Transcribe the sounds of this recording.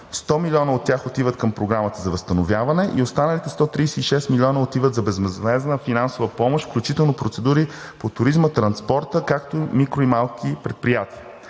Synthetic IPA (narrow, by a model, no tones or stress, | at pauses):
st̪ɔmilʲiɔnəot̪ːʲjaxot̪ivət̪kəmpɾoɡɾamət̪əzɐvəst̪ənovʲjavɐnɛʔiost̪anəlit̪ɛst̪ɔt̪ɾijsɛiʃɛst̪milʲɔnəot̪ivət̪zɐbɛzmɛzvɛznəfinansovəpɔmoʃt̪fklʲut͡ʃit̪ɛlˠnopɾot̪sɛd̪uɾi | pot̪ʊɾizmət̪ɾɐnspɔɾt̪əkakt̪omikɾoimalˠkʰipɾɛt̪̚pɾijat̪iə